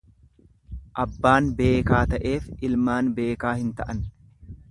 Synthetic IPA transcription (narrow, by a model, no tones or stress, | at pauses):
ʔɐbːaːnbe̞ːkaːt̪ɐʔe̞ːfɪlmaːnbe̞ːkaːhɪnt̪ɐʔɐn